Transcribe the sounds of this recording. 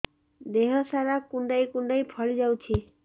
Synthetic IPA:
d̪eɦɔsaɾakuɳɖajkuɳɖajpʰɔɭid͡ʒawt͡ʃʰi

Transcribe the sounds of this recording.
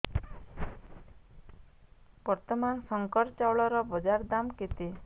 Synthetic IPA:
b̥ɔɾt̪ɔmansɔŋkɔɾt͡ʃawɭɔɾɔbɔd͡ʒaɾd̪amket̪e

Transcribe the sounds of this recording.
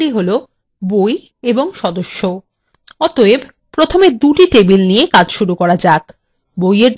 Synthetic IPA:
ɽiɦolo | boj | eboŋʃɔd̪oʃːo | ɔt̪oeb | pɾot̪ʰomed̪uʈiʈebilnijekad͡ʑʃuɾukɔɾad͡ʑak | bojeɾ

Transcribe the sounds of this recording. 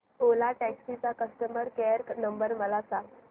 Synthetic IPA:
olaʈɛksit͡sakəsʈ̪əməɾkɛɾknəmbəɾməlasaŋ

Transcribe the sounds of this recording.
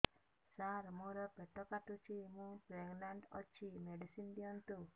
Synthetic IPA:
saɾmũɾɔpeʈ̪ɔkat̪ut͡ʃʰimũpɾeŋɡlaɳʈɔ̰t͡ʃʰimeɖisinb̪iɔnt̪u

